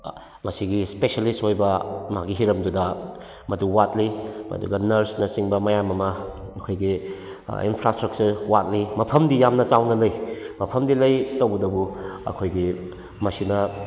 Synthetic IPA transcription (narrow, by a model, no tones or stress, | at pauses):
mɐsiɡispesalistojbɐmɐaɡiɦiɾɐmdudɐ | mɐduwat̚liɐ̰dṵɡɐnɐɾsnɐsiŋbɐmɐjamɐmɐɐkʰojɡi | ḭnpʰɾastɾɐk̚t͡ʃɐɾwat̚limɐpʰɐmdijamnɐt͡ʃawnɐlɐjmɐpʰɐmdilɐjtowbɐdɐbuɐ̰kʰojɡi | mɐsinɐ